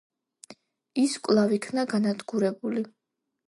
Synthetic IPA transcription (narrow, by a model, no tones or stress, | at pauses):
iskʼlˠavikʰnaɡanad̪ɡuɾɛbuli